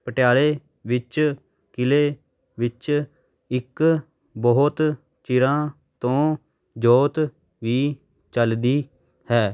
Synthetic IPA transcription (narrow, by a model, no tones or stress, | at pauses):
pəʈjaːleː | ʋɪt͡ʃ | kɪleː | ʋɪt͡ʃ | ɪk | bɔʊt̪ | t͡ʃɪɾãː | t̪õː | d͡ʒoːt̪ | ʋiː | t͡ʃəld̪iː | hɛː